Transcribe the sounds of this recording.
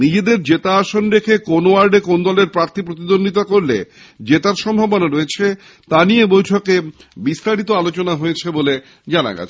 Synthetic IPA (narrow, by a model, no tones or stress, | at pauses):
nid͡ʑed̪eɾd͡ʑet̪aːʃonɾekʰekonowaɾɖekond̪ɔleɾpɾaɾt̪ʰipɾot̪̬id̪ond̪it̪̬akoɾlḛ | d͡ʑet̪aɾʃɔmbʱɔbonoɾoet͡ɕʰe | t̪aniebojʈʰokebist̪aɾit̪oalot͡ɕonaɦojet͡ɕʰebole | d͡ʑana̰ɡa̰t͡ɕʰe̥